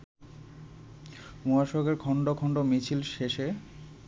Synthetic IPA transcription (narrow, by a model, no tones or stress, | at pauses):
muaʃoɡeɾkʰɔɳɖokʰɔɳɖomit͡ɕʰilʃeʃe